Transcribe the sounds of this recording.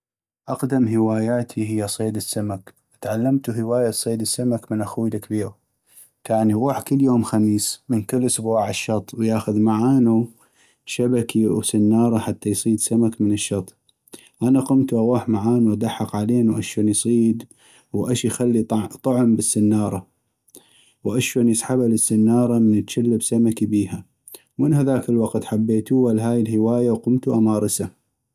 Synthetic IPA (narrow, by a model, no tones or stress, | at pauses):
ʔɑqd̪amɦɪwaːjaːt̪ʰiɦɪjːasˤeːd̪ɪsːamak | ʔt̪ʕalːamt̪uɦɪwaːjasˤeːd̪ɪsːamakmənʔaxuːjlakbiːɾ | t̪ʰaʕniɣuːħkɪlːjoːmxamiːsmənkɪlːʔʊsbaːʕɪʃːɑt̪ˤwjaːxʊðmaʕaːnu | ʃabakiwsanːɑːɾˤɑħat̪ʰːajsˤiːd̪samakməɪnɪʃːɑt̪ˤ | ʔanaqʊmt̪uʔawaːħmaʕaːnuwʔad̪aħːɑqʕaleːnwʔaʃwoːnjsˤiːd̪ | wʔaʃjxalːit̪ˤɑʕmbɪsːanːɑːɾˤɑ | wʔaʃwoːnjɪsˤħabalɪsːanːɑːɾˤɑmɪnət̪ʃalːabsamakibiːha | wmənhaðaːkɪlwɑqt̪ħabːeːt̪uwalɦaːjɪlhɪwaːjawqʊmt̪uʔamɑːɾˤɨsa